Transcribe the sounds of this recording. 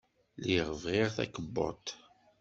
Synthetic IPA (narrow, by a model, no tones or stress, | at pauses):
liʁəvʁɪʁθæ̰kəbːɔ̰t̪